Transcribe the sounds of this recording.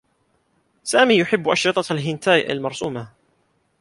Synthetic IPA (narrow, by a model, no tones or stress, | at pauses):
saːmiːjʊħɪbːʔɑʃɾɨt̪ˤɑalɦɪnt̪aːjʔa̰lmɑɾˤsuːma